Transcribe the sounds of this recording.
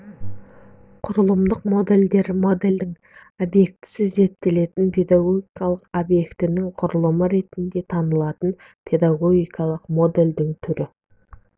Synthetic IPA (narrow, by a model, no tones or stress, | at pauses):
qʰʊɾəlˠəmd̪əqmo̞d̪e̞ld̪e̞ɾmo̞d̪e̞ld̪ɪŋ | obje̞k̚t̪ɪ̥sɪze̞t̪ːele̞t̪ɪnpʰe̞d̪aɡo̞ɡʲijkɑlˠəqobje̞kt̪ɪnɪŋqʰʊɾəlˠəməɾe̞t̪ɪnd̪e̞t̪ʰɑnəlˠɑt̪ən | pʰe̞d̪aɡo̞ɡʲijkɑlˠəqmo̞d̪e̞ld̪ɪŋt̪ʰʏɾɪ